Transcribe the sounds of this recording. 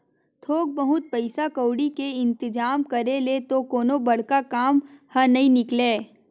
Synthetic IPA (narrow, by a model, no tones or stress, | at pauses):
t̪ʰoːk̚bəɦʊt̪̚pɐɪsakəːɽikeɪ̃nt̪ɪd͡ʒaːmkɐɾelet̪okoːnobɐɽ̤kakaːmhɐnɐɦĩnɪkleː